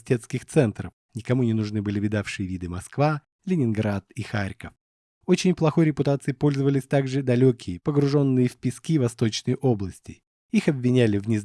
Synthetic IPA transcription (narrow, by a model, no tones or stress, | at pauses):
tʲe̞t̪skʲɪxt̪sɛnt̪ɾəf | nʲɪkɐmunʲɪnʊʐnɨbɨlʲɪvʲɪd̪afʂɨjəvʲid̪ɨmɐskva | lʲɪnʲɪnɡɾat̪ixaɾʲkəf | ot͡ɕɪnʲplˠɐxo̞jɾʲɪpʊt̪at̪sɨjpo̞lʲzəvəlʲɪsʲt̪aɡʐɨd̪ɐlʲokʲɪjəpəɡɾʊʐo̞nːɨjəfʲpʲɪskʲivɐst̪o̞t͡ɕnəjʔo̞blˠəsʲtʲɪ | ixɐbʲvʲɪnʲælʲɪvnʲɪz